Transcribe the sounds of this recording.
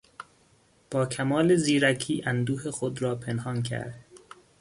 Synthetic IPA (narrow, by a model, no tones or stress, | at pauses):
b̥ɒːkʰæmɒːleziːɾækʰiːʔænd̪uːɦexod̪ɾɒːpʰenhɒːncʰæ̰ɾd̪̥